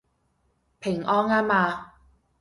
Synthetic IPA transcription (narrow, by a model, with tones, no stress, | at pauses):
pʰɪ˨˩ŋʔɔː˥ŋaː˥maː˧